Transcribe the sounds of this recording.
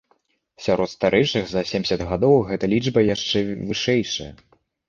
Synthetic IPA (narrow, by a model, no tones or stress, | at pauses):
sʲaɾɔt̪st̪aɾʔɛt͡ʂɨɣzɐsʲemʲsʲɐd̪ɣad̪ɔwɣɛt̪ɐlʲid͡ʐʐbɐjaʂt͡ʂɛvɨʂɛjʂɐjɐ̰